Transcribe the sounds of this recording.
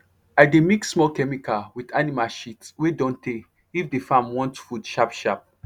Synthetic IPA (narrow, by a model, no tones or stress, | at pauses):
ademiksmɔlkɛmikawidanimalʃitswedɔ̃nte | ifdefãmwɔ̃ntfudʃapʃap̚